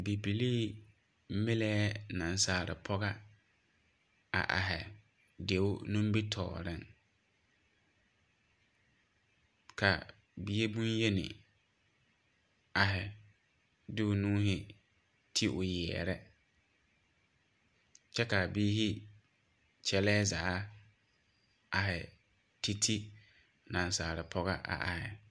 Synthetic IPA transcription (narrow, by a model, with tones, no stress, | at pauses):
bi˨bi˨li˦ | me˦lɛː˦nã˨n˦saː˨ɾɪ̰˨pʰɔ˦ɣa˦ | a̰˨ʔa̰˨ɦɛ˨ | de˨˦ʊ˦nũ˦mbi˦tʰɔ̰ː˨ɾɪ˦ŋ | kʰa˨ | bi˨e˦bu˦njɛ˦nɪ̰˨ | a˨ɦɪ˨ | dɪ˦ʊ˨nũː˦hɪ˦ | tʰi˦ʔʊ˨jɛ̰ː˨ɾɛ˦ | t͡ʃɛ˦ka˨biː˦hi˦ | t͡ʃʰɛ˦lɛː˦zaː˨˦ | a˨ɦɪ˨ | tʰi˦tʰi˦ | nã˨n˨saː˨ɾɪ˨pʰɔ˦ɣa˦ʔa̰˨ʔa̰˨hɪ̰˨